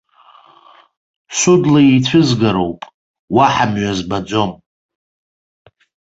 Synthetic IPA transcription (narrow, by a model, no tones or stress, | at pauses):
sudlait͡sʷʰʊzɡaɾo̞wpʼ | waħamɥazbad͡zʷo̞m